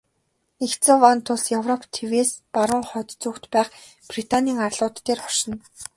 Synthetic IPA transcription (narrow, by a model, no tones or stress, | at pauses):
ext͡sɔwant̪ʰʊɮjœwrɔpʰt̪ʰeweːspaɾʊ̆ɴχœːt̪t͡suːkt̪pæːχ | prit̪ʰanʲiːŋarɮʊːt̪ːeːrχɔʃɞ̆n